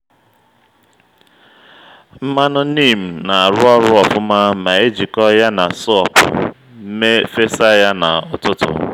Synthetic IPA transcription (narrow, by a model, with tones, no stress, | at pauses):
m̩˦ma˦nʊ˦ni˦˨m̩˨na˨a˨ɾʊ˦ɔ˦ɾʊ˦ɔ˨fʊ˦ma˦ma˨e˦d͡ʒi˨kɔ˦ja˦na˨sɔ˦˨p | m̩˦me˦fe˦sa˦ja˦na˨ʊ˨tʊ˦tʊ̰˨